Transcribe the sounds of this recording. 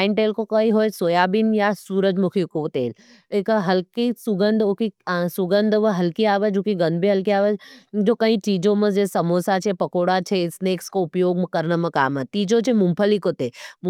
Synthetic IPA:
aɪnʈeːlkokɐĩɦoːjsoːjaːbinjasuːɾəd͡ʒmukʰikot̪eːl | ekɦɐlkisʊɡənd̪ʱukisʊɡənd̪ʱʋəɦɐlkiaːʋəd͡ʒukiɡɐnd̪bʱiɦɐlkiaːʋəd͡ʒd͡ʒoːkɐɦĩt͡ʃiːd͡ʒõmə̃d͡ʒesɐmoːsat͡ʃʰepɐkoːɽat͡ʃʰesneːkskoʊpjoːɡmkɐɾnəmɐ̃kaːmət̪iːd͡ʒõt͡ʃʰemumpʰəlikot̪e

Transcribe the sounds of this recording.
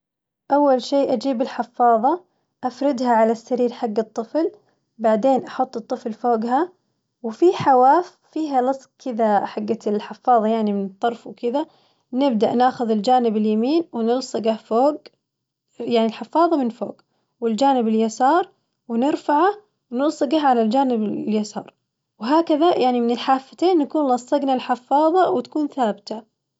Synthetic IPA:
ʔawːalʃeːʔad͡ʒiːbɪlħɪfːɑːðˤɑ | ʔafɾɪd̪haʕalasːaɾiːɾħaɡːɨt̪ˤːɨfl | baʕd̪eːnʔɑħʊt̪ˤːɨt̪ˤːɨflfoːɡha | wɪfiħawaːfːiːɦalɑsˤkʰɪðaħaɡːaɪlħɪfːɑːðˤɑjaʕnimɪnt̪ˤːɑɾˤfwkɪða | nɪb̚d̪aʔnaːxʊðɪld͡ʒaːnɪbɪljamiːnwɪnɪlsˤɨɡafoːɡ | jaʕnilħɪfːɑːðˤɑmɪnfo̰ːɡ | wɪld͡ʒaːnɪbɪljasɑːɾˤ | wɪnɪɾfaʕa | wnɪlsˤɨɡaɦʕalald͡ʒaːnɪbljasɑ̰ːɾˤ | wɦaːkaðajʔaʕnimɪnɪlħaːfːat̪eːnːakuːnlɑsˤːɑɡnalħɪfːɑːðˤɑwɪt̪ḁkuːnθaːbɪt̪a

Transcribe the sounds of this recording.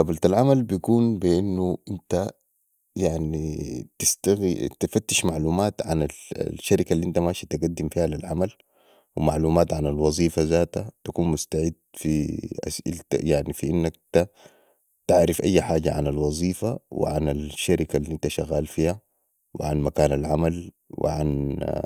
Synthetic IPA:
ɑbalt̪alʕamalbijkuːnbiʔinːuʔint̪a | jaʕnit̪ist̪aɣit̪ifat̪ːɪ̥ʃmaʕluːmaːt̪ʕa̰na̰ʃːaɾikalːiʔint̪amaːʃit̪aɡad̪ːimfiːhalilʕamal | wimaʕluːmaːt̪ʕanalwɑzˤiːfazaːt̪at̪akuːnmust̪aʕid̪fiʔa̰sḭlt̪a̰jaʕnifiʔinːakt̪a | t̪aʕɾɪfʔajːħaːɟa̰ʕa̰nalwɑzˤiːfawɪ̰ʕanalʃːaɾɪkalːiʔint̪aʃaɣːaːlfiːha | wɪ̰ʕanmakaːnalʕamal | wḭʕan

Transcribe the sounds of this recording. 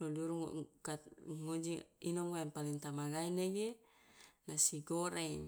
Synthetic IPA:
loduɾuŋ̰kaŋod͡ʒiinɔŋoampalint̪amaɡaineɡe | nasiɡoɾeŋ

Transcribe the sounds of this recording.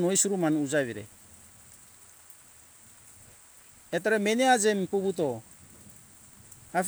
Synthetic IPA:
nojsuɾumanud͡ʒaβiɾɛ̰ | et̪aɾɛmɛnead͡ʒɛmpuβut̬o | haf

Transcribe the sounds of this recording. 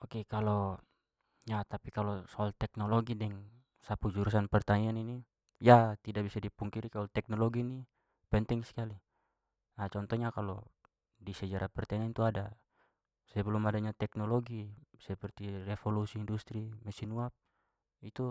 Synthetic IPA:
ɔkɛkalɔ | ɲat̪apikalɔsɔalt̪ɛk̚nɔlɔɡidɛŋ | sapud͡ʒuɾus̬anpɛrt̪aŋianini | jat̪idabisadipuŋkiɾikalɔt̪ɛk̚nɔlɔɡini | pɛnt̪ɛŋsi̥kali | nat͡ʃɔnt̪ɔɲakalɔ | disɛd͡ʒaɾʔapɛrt̪ɛnɛnt̪uada | sɛbɛlɔmadaɲat̪ɛknɔlɔɡisɛpɛrt̪irɛfɔlusiːndust̪ɾimɛsinuap̚ | it̪u

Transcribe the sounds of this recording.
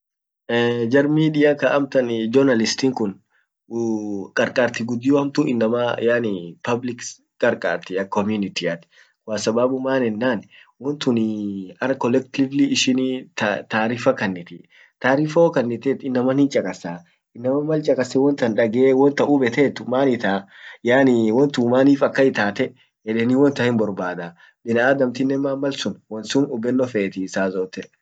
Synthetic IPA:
ɛd͡ʒɐɾmiːd̪ɪjakɐʔɐmt̪ɐnd͡ʒɔɾnɐlɪst̪iːŋkʊn | kʼɐɾkʼaːɾt̪ɪɡʊd̪ːɪjɔɐmt̪ʊʔɪnːɐmɐjaːnɪpɐblɪk | kʼɐɾkʼa̰ːɾt̪ɪɐkɔmjʊnɪt̪iɐt̪ɪ̥ | kʼʊasɐbaːbʊmaːnɛnːaːnwɔnt̪ʊnɪɐɾkɔlɛk̚t̪ɪvlɪɪʃɪnt̪t̪aːɾifɐkɐnːɪt̪ɪ | t̪aːɾiːfokɐnːɪt̪et̪ɪnːɐmɐnhɪnt͡ʃʼɐkʼɐsaː | ɪnːɐmɐmːɐlt͡ʃʼɐkʼɐsɛwɔnt̪ɐnᶑɐɡeːwɔnt̪ɐʔʊbɛt̪eːt̪ːʊmaːnɪt̪aːjaːnɪwɔnt̪ʊmaːniːfɐkːɐɪt̪aːt̪ɛʔ | ɛᶑɛniwɔnt̪ɐhɪnbɔɾbaːd̪a | ɓɪnɐaːd̪ɐmt̪ɪnːɛmaːmːɐlsʊnwɔnsʊnʊbɛnːɔfeːt̪isaːzoːt̪ɛʔ

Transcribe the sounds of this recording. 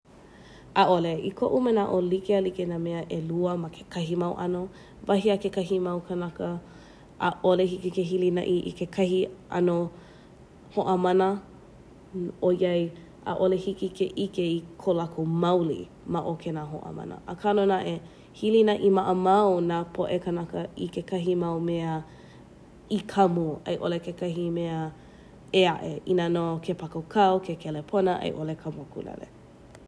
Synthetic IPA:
ʔaʔoleḭkʰoʔumenaʔolikealikenameəʔeluəmɐkʰe̥kʰɐɦimɐwʔɐ̰no | vɐɦiakekɐɦimɐwkʰɐnakə | ʔaʔolehikikeɦilinɐ̰ʔiʔḭkekʰɐɦiʔɐ̰no | hoʔəmɐnə | ojɐj | ʔa̰ʔolehikikʰeʔikeikʰolɐkomɐwlḭ | mɐʔokʰenaɦo̰ʔə̰mɐ̰nə̰ʔəkʰalonaʔe | hilinɐʔimɐʔəmɐwnapʰoʔekənɐkəikekɐɦimɐwmeɐ | ikʰɐmuʔɐ̰jʔolekekɐɦimeə | eaʔeʔinanokʰepakokʰɐwkʰekʰelepʰonəʔɐ̰jʔolekʰɐmukṵlɐ̰lḛ

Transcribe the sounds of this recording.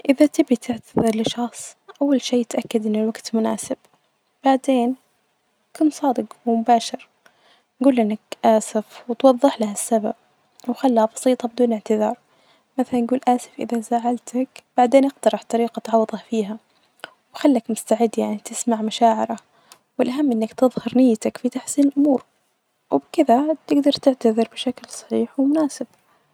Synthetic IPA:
ʔɪðat̪ɪbit̪ʰɪʕt̪aðɨɾˤlɪʃɑxsˤʔawːalʃeːɪt̪ʔakːad̪ʔɪnːɪlwaɡt̪mʊna̰ːsɪb̥ | b̥aʕd̪eːn | kʊnsˤɑːd̪ɨqwɪmʊbaːʃɪɾ | nɡuːlʔɪnːakʔaːsɪfwɪt̪wɑðˤːɨħlahasːaba̰b̚ | wxalːhabɑ̥siːt̪ˤɑbɪd̪uːnɪʕt̪ɪðɑːɾˤ | maθalanjɡuːlʔaːsɪ̥fʔɪ̰ðazaʕalt̪ʰakb̥aʕd̪eːnʔɪqt̪ɑɾˤɑħt̪ˤɑɾiːqɑt̪ʕɑwːðˤɑfiːɦa | wxalːakmʊst̪aʕɪd̪ːjaʕnit̪ɪsmaʕmaʃaːʕɪɾa | wɪlʔaɦamːʔɪnːakt̪ɨðˤhɑɾˤnɪjːat̪akfit̪aħsiːnɪlʔʊmuːɾ | wɪbkɪðat̪ɪɡd̪ɑɾˤt̪ɪʕt̪aðɪɾbɪʃaklsˤɑ̥ħiːħwɪmʊnaːsɪb̥̚

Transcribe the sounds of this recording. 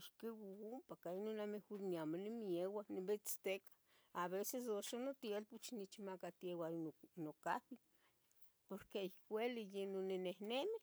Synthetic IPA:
iʃkiwaumpakainonamehoɾniamanimjewanebet͡st̪ekḁ | aβeses̬oʃanot̪jelput͡ʃnit͡ʃimakat̪jewaonoka̰pi | poɾkeikʷelijenonenehneme

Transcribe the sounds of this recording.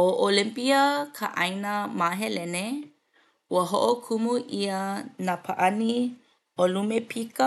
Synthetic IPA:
oʔolimpiakʰaʔainamaɦelene | uəɦoʔokʰumuʔianapʰaʔani | ʔolumepʰika

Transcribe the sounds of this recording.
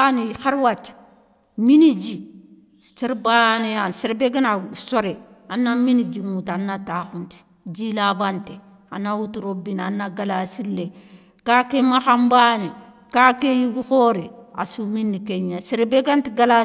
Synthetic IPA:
anixaɾwat͡ʃː | minid͡ʒi | siɾbanejansiɾbeɡinasoɾeanːaminid͡ʒiŋutanːataxunti̥ | d͡ʒilabante | anːawutuɾobinanːaɡalasilːe | kakemaxambane | kakejibuxoɾea̰suminːikeɲasiɾbeɡantiɡala

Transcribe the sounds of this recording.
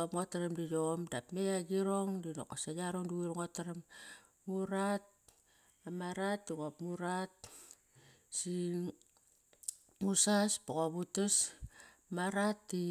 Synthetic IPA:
opŋotaɾemdijomdapmejaɡiɾoŋdino̰kasajaɾoŋduuɾŋotaɾamː | uɾat̚ | amaɾatːiɣopmuɾat | si | musaspoɣoβutes | maɾatːi

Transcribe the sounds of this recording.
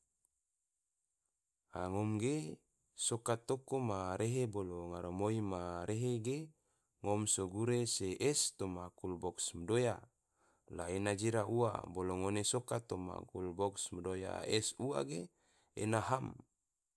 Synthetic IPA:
aŋomɡe | sokat̪okomaɾeɦeboloŋaɾomoimaɾeɦeɡe | ŋomsoɡuɾeseʔɛst̪omakulbɔksmədoja | laenad͡ʒiɾaua̰boloŋonesokat̪oma̰kulbɔksmədoja̰ɛsua̰ɡe | ḛnaɦam

